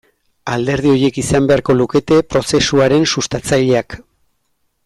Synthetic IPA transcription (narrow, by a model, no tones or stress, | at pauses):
ald̪e̞ɾð̞io̞ɾje̞kisambe̞aɾko̞luke̞t̪e̞pɾo̞se̞suaɾe̞nsust̪at͡saʎe̞ak